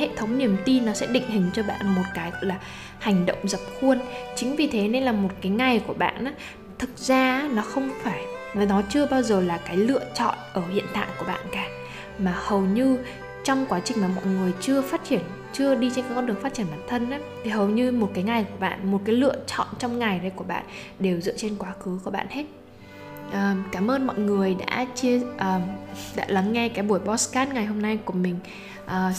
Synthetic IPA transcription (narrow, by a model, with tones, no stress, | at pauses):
hḛ˧˨t̪ʰə˨˦wŋ͡mni˨˩əmt̪i˧nːɔ˨˦sɛ̰˧˥ɗï˧˨ŋ̟hï˨˩ŋ̟t͡ɕɔ˧ɓa̰ː˧˨nmo˨˩t̚kaː˨˦jlaː˨˩ | ha˨˩jŋ̟ɗə̰˧˨wŋ͡mzə˨˩p̚xu˧ənt͡ɕï˨˦ŋ̟vi˨˩t̪ʰe˨˦ne˧nlaː˨˩mo˨˩t̚kaː˨˦jŋa˨˩jku˧˩əɓa̰ː˧˨nʔaː˨˦ | t̪ʰɨ˨˩k̚zaː˧˦nɔ˨˦xə˧wŋ͡mfaː˧˩jnɔ˨˩nɔ˨˦t͡ɕɨ˧əɓaː˧wzəː˨˩laː˨˩kaː˨˦jlɨ̰˧˨ət͡ɕɔ̰˧˨nʔəː˧˩hḭ˧˨ənt̪a̰ː˧˨jku˧˩ə˩ɓa̰ː˧˨nkaː˨˩ | maː˨˩hə˨˩wɲɨ˧ | t͡ɕɔ˧wŋ͡mkwaː˨˦t͡ɕï˨˩ŋ̟maː˨˩mɔ̰˧˨jŋɨ˨˩əjt͡ɕɨ˧əfaː˦˥t̚t͡ɕi˧˩ən | t͡ɕɨ˧əɗi˧t͡ɕe˧nkaː˨˦kɔ˨˦ɨ˨˩əŋfa˦˥t̚t͡ɕi˧˩ənɓaː˧˩nt̪ʰə˧nʔaː˨˦t̪ʰi˨˩hə˨˩wɲɨ˧mo˨˩t̚kaː˨˦jŋa˨˩jku˧˩əɓa̰ː˧˨nmo˨˩t̚kaː˨˦jlɨ̰˧ət͡ɕɔ̰˧˨nt͡ɕɔ˧wŋ͡mŋa˨˩jɗə˧jku˧˩əɓa̰ː˧˨n | ɗe˨˩wzɨ̰˧˨ət͡ɕe˧nkwaː˨˦xɨ˨˦ku˧˩əɓa̰ː˧˨nhe˦˥t̚ | ʔəː˨˩kaː˧˩mʔəː˧nmɔ̰˧˨jŋɨ˨˩əjɗa̰ː˧˥t͡ɕi˧əʔəː˨˩ɗa̰ː˧˥la˨˦ŋːɛ˧kaː˨˦jɓu˧˩əjɓɔ˧˦˥skaː˦˥t̚ŋa˨˩jɦo˧mna˧jku˧˩əmï˨˩ŋ̟ | ʔəː˨˩